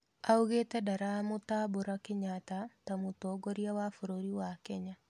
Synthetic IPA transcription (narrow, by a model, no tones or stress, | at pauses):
auɣetɛdaɾamotaboɾakeɲatatamotɔɡoɾiawafoɾoɾiwakɛɲa